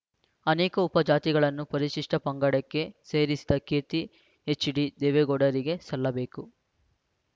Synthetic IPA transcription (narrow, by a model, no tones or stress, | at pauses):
ɐneːkɐupɐd͡ʒaːt̪iɡɐɭɐnːupɐɾiʃiʂʈɐpɐŋɡɐɽɐkːe̞se̞ːɾisi̥d̪ɐkeːt̪i | et͡ʃɖid̪eːʋeɡɔɽɐɾiɡe̞sɐlːɐbe̞ːku